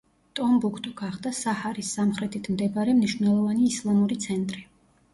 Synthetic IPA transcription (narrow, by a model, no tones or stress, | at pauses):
t̪ʼɔmbukʰt̪ʼɔɡ̥aχd̪asahaɾisːamχɾɛt̪ʰit̪ʰmd̪ɛbaɾɛmniʃwvnɛlˠɔvaniːslˠamuɾit̪sʰɛnt̪ʼɾi